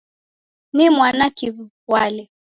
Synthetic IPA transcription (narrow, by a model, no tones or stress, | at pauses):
nimwanakiβ | walɛ